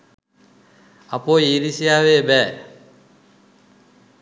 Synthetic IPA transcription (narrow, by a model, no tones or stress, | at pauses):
apojiːɾisijaːʋeːbɛː